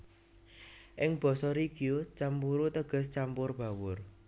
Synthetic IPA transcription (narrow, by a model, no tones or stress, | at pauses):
ʔɪŋb̥ɔ̤sɔɾiɡ̥ijot͡ʃampuɾut̪əɡ̥ə̤st͡ʃampʊrb̥a̤wʊr